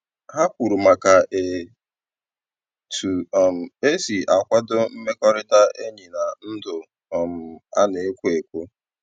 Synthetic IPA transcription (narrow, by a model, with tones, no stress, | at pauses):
ha˦kʷu˨ɾu˨ma˨ka˨ʔe˨ | tʰu˨ɔ˨m̩˨e˦si˨a˨kʷa˦dʊ˦m̩˦me˦kɔ˦ɾɪ˦ta˦e˦ɲi˨na˨n̩˦dʊ˨ | ɔ˨m̩˨a̰˦ne˨˦kʷe˨kʷu˦